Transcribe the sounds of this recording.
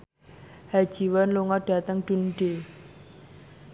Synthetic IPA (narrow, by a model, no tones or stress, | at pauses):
hḁʒ̥i̤wanluŋɔɖ̥a̤t̪əŋɖ̪̥ṳnɖ̥e